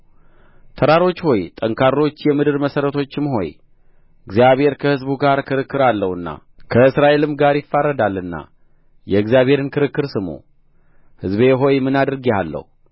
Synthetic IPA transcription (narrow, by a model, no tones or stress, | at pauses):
t̪ʰəɾaɾo̞t͡ʃːho̞jt̪ʼəŋkʰaɾːo̞t͡ʃːjɛmɨd̪ɨɾməsəɾət̪ʰo̞t͡ʃːɪmɦo̞̰j | ɨɡzijaβhe̞ɾkʰəhɨzbuɡaɾkʰɨɾɨkːɨɾalːəhɨnːa̰kʰəɨsɾaʔe̞lɨmɡaɾjɪfːarːəd̪alːɨnːa̰ | jɛɨɡzijaβhe̞ɾɨnkʰɨɾɨkːɨɾsɨmo̞̰ | hɨzbe̞ɦo̞jmɨnad̪ɾɨɡealːə̰hu